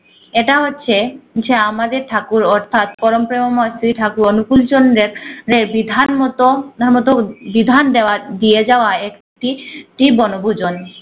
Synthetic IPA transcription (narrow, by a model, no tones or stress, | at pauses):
eʈaɦotːɕʰed͡ʑeamad̪eɾʈʰakuɾɔɾt̪ʰat̪pɔɾompɾemomɔast̪ɾiʈʰakuɾonukult͡ɕonɾeɾɾeɾbid̪ʱant̪oɾmɔt̪obid̪ʱand̪eoad̪ijed͡ʑaoaek | ʈiʈibɔnobʱud͡ʑon